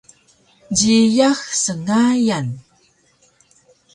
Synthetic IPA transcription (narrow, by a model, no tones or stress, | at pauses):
d͡ʑijaxsəŋajan